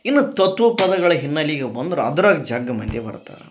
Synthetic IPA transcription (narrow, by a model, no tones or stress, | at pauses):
inːut̪ɐt̪ːʋɐpɐd̪ɐɡɐɭɐɦinːɐlːiːɡɐbɐnd̪ɾuɐ̰d̪uɾaːɡɐd͡ʒaːɡːɐmɐnd̪jebɐ̰ɾt̪a̰ːɾɐ